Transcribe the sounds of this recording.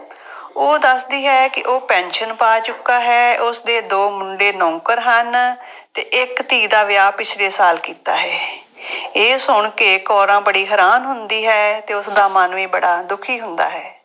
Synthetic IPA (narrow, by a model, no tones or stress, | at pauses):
oːd̪əsd̪iːɦɛːkɪʔoːpɛ̃ːnʃənpaːt͡ʃʊkːaːɦɛːʊsd̪eːd̪oːmʊɳɖeːnɔ̃ːkəɾɦən | t̪eːʔɪkt̪iːɡd̪aːʋɪjaːpɪt͡ʃʰleːsaːlkiːt̪a̰ːɦɛː | eːsʊɳkeːkɔːɾãːbəɽiːɦəɾaːnɦʊnd̪iːɦɛːt̪eːʊsd̪aːmaːnʋĩːbəɽaːd̪ʊkʰiːɦʊnd̪a̰ːɦɛː